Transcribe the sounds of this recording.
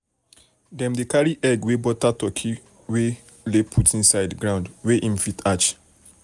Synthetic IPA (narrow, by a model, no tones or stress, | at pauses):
dɛ̃mdekaɹiʔɛɡwebɔtatɔkʰi | we | lepʰutʰĩnsaɪdɡɹãʊ̃ndweʔĩnfitat͡ʃ